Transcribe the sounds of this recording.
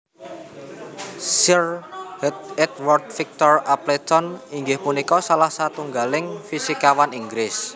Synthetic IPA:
sirhɛt̪ɛt̪̚wɔrt̪̚fik̚t̪ɔraplet̪ɔniŋɡɪhpunikɔsalahsat̪uŋɡalɪŋfisikawaniŋɡɾɪs

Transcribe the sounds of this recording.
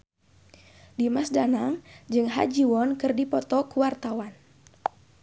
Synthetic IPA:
dimasdanaŋd͡ʒɨŋɦa̰d͡ʒiwɔnkɨrdipɔt̪ɔkuwart̪awan

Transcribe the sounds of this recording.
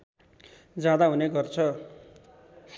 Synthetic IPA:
d͡zjad̪aɦuneɡʌrt͡sʰʌ

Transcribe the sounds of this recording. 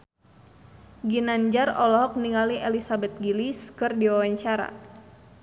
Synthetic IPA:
ɡinand͡ʒarɔlɔɦɔk̚niŋaliʔelisabɛt̪̚ɡiliskɨrdiwawaɲt͡ʃaɾa̰

